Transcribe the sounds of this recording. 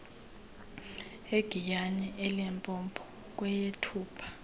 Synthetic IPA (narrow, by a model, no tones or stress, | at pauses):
eɡ̥ʱijaɲɛʔɛlɛmpʼɔmpʰɔ̥ | k̬ʼwɛjetʰuːpʰḁ